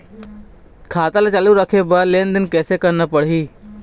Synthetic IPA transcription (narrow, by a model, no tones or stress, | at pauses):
kʰaːt̪alet͡ʃəluɾəkʰeːbəleːnd̪ɪnkɛːsekəɾnəpəɽɦiː